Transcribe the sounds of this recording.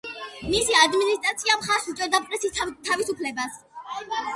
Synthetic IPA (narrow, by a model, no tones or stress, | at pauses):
misiad̪minist̪ʼɾat̪sʰiamχaɾsit̪ʼɛɾd̪apʼɾɛsist̪ʰavisupʰlɛbas